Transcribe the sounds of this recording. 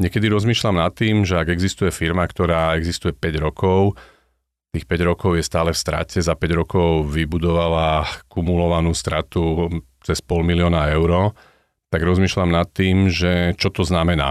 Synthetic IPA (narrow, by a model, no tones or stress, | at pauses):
ɲɛkɛd̪iɾɔzmiːʃlamnat̪ːiːmʒɛaɡɛɡzist̪ujɛfiɾmakt̪ɔɾaːɛɡzist̪ujɛpɛɟɾɔkɔʊ | t̪iːxpɛɟɾɔkɔʊjɛst̪aːlɛfst̪ɾa̰cɛzapɛɟɾɔkɔʊʋibud̪ɔʋalakumulɔʋanuːst̪ɾat̪u | t͡sɛspɔlmilɪɔːnaɛʊɾɔ | t̪aɡɾɔzmiːʃlamnat̪ːiːmʒɛt͡ʃɔt̪ɔznamɛna̰ː